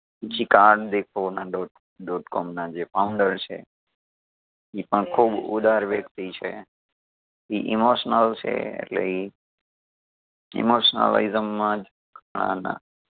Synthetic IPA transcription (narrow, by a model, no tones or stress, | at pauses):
ət͡ʃʰikaɾɖd̪ekʰonaɖɔʈ | ɖɔʈkɔmnad͡ʒepaũɳɖəɾt͡ʃʰḛ | ipəɳkʰubṵd̪ʱaɾʋjəkt̪it͡ʃʰe | iʔimoʃnəlt͡ʃʰḛḛʈlḛi | ḭmoʃnə̰la̰izəmːãd͡ʒ | kaɳ̃ã̰nã̰